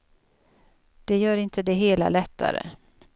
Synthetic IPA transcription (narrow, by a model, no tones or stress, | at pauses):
d̪̥ɛjœːɾɪnt̪ʰəd̪ɛɦeːla̰lɛt̪ʰːa̰ɾə̰